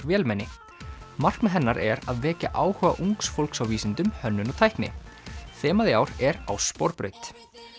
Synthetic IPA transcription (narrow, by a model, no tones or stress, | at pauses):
ɾvjɛːlmɛnːɪ | mar̥knmɛɦɛnːaɾɛɾaðvɛːca̰ʔaːwhœːva̰ʔuŋksfolksawviːsɪnt̪ʏmhœnːʏnɔt̪ʰajhknɪ̰ | θɛːmaðɪaːwɾɛɾawspɔɾpɾœ̰ːɥt̪